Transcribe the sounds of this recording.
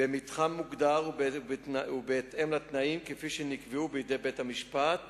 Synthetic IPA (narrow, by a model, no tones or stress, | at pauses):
bemit̪χamːuɡd̪aʁbaubeːt̪ʔemlat̪naimkefiʃenikveubejede̞jbethamiʃpat̪